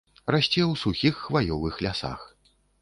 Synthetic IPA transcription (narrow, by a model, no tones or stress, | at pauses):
rasʲt͡sʲɛwsuxʲixːvajɔvɨxlʲasa̰x